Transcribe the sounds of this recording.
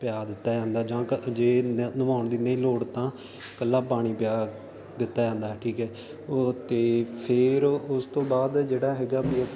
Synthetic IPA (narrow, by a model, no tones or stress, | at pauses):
pɪjaːd̪ɪt̪ːaːd͡ʒãːnd̪aːd͡ʒãːd͡ʒeːnʊmaːɳd̪iːnəĩːloːɽt̪ãː | kəlːaːpaːɽ̃iːpjaː | d̪ɪt̪ːaːd͡ʒãːnd̪aːʈʰiːkɦɛː | t̪eːpʰɪɾʊst̪õːbaːd̪d͡ʒeːɽaːɦɛːɡaːbi